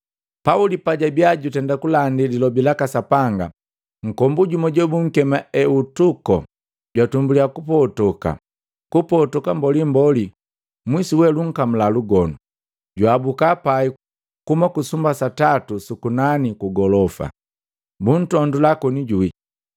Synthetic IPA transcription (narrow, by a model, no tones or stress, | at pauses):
paulipaɟabjaɟutɛndakulandililɔbilakasapaŋɡa | ŋ̩kɔmbuɟumɔɟɔbuŋ̩kɛmaɛutukɔ̰ | ɟwatumbuliakupɔtɔka̰ | kupɔtɔkambɔlimbɔli | mwisuwɛluŋ̩kam̩laluɡɔnu | ɟwabukapai | kumakusumbasatatusukunanikuɡɔlɔfa̰ | bun̩tɔndulakɔniɟui